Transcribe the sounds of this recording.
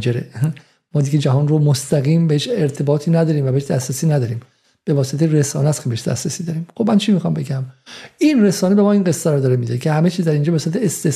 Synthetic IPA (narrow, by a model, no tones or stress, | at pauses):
d͡ʒeɾe | mɒːd̪iɡed͡ʒæɦɒːnromost̪æɣiːmbeheʃeɾt̪ʰe̞bɒːt̪ʰiːnæd̪ɒːɾiːmvæbeeʃd̪æsɾæsiːnæd̪ɒːɾiːm | b̥e̞vɒːset̪ʰeɾesɒ̰ːnæt̪kʰebeheʃd̪æ̰sɾesiːd̪ɒːɾiːmxobmænt͡ʃʰimixɒmbe̞ɡæminɾesɒːnebe̞mɒːinɡesːæɾɔd̪ɒːɾemid̪ecʰehæme̞t͡ʃʰizd̪æɾind͡ʒɒːbesuɾæt̪ʰeːst̪e